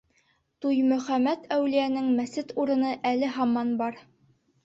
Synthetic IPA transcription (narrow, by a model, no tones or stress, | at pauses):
t̪ujmɵ̆χæmæt̪ʰæwlijænɘŋmæsɘt̪uɾɤ̆nɤʔælɘɦɑmːɑnbɑɾ